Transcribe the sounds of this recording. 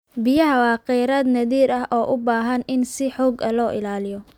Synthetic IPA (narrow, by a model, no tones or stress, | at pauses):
bɪjɐɦɐwɑːqɛjɾɐːd̪nɐðiːɾɐɦʔɔːʔʊbaːɦɐnɪnsɪħɔːɡɐlɔːʔɪlaːlɪjɔ